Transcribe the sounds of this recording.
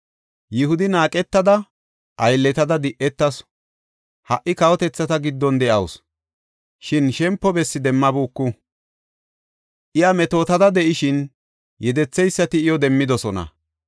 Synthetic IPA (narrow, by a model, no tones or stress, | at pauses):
jɪhʊd̪ɪnaːkʼɛt̪ːɐd̪ɐ | ʔɐjlːɛt̪ɐd̪ɐd̪ɪʔɛt̪ːɐs | hɐʔɪkɐwɔt̪ɛt͡sːɐt̪ɐɡɪd̪ːɔnd̪ɛʔɐws | ʃɪnʃɛmpːɔbɛsːɪd̪ɛmːɐbuːkːʊ | ʔɪjɐmɛt̪o̞ːt̪ɐd̪ɐd̪ɛʔɪʃɪn | jɛd̪ɛt͡sːɛjsːɐt̪ɪɪjɔd̪ɛmːɪd̪ɔsɔnɐ̰